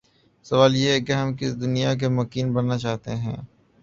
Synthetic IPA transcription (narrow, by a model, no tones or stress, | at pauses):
sɐʋaːljeɦɛkeɦɐmkɪsd̪ʊnijak̬emʊkiːnbɐnːat͡ʃaːɦt̪eɦɛ̰̃ː